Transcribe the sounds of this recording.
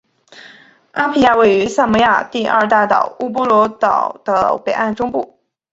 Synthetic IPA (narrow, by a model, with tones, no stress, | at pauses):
a˥pʰi˥ja˥˧we˥˩ɪy˧˥sa˥˩nmɔ˧˥ja̰˥˧t̪i˥˧ʔɐ̰˥˧t̪a˥˩t̪ɑ̰˨˩ʊu˥p̬ɔ˥lwɔ˧˥t̪ɑ˨˩ʊd̪̥ə˦pe˨˩ɪʔa˥˩nʈ͡ʂʊ˥ŋpu˥˩